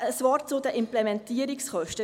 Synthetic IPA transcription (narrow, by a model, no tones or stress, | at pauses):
əsʋɑːɾt͡sʊd̪əʔɪmplɛmɛntiəɾiksχœʃtə